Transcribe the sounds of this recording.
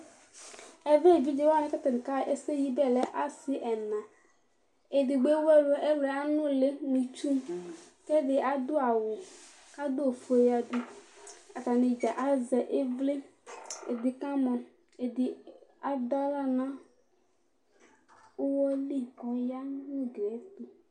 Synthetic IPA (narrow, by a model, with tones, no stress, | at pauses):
ɛ˨ve˦˨d͡ʒi˦d͡ʒe˦wnẽ˦ka˦t̪a˨n˨ka˦e˦se˦ji˦dɛ˦le˨ʔa˦si˦ʔɛ˨nã˨ | e˨di˨ɡ͡be˦wɛ˦lo˨ʔe˦le˨a˦nũ˦le˦nĩ˨t͡ʃu˦ | kɛ˦de˨ʔa˨d̪o˦a˨wo˨ | ka˦d̪o˦o˨fo˨˦e˨ja˨ɖu˦a˨ta˨nẽ˨d͡ʒa˨ʔa˦zɛ˨ʔe˦vle˦e˨d̪i˨kã˦mɔ̃˨ | e˨di˨a˨d̪a˦la˦nã˦ | o˦wɔ˦li˦kɔ˨ja˦nũ˦ɡɾɛ˨˦t̪u˨